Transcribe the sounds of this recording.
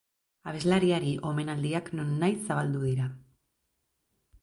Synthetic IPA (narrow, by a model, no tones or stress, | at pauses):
aβe̞zlaɾiaɾiʔo̞me̞nald̪iakno̞nːajsaβald̪uðiɾa